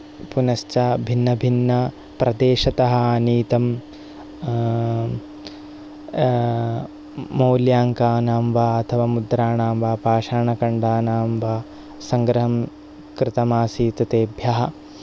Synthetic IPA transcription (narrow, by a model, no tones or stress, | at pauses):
punɐst͡ʃabʱinːɐbʱinːɐ | pɾʔɐd̪eːʃɐt̪ɐɦɐ̆aniːt̪ɐm | moːljaːŋkaːnaːmʋaːɐt̪ʰɐʋaːmud̪ɾaːɳaːmʋaːpaːʃaːɳɐkɐɳɖaːnaːmʋaː | sɐŋɡɾɐɦɐm | kɾɪt̪ɐmaːsiːt̪ɐt̪eːbʱjɐɦɐ̆